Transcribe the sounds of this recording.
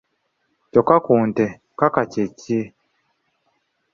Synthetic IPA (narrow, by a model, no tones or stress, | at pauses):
cɔkakuntɛ | kakacecie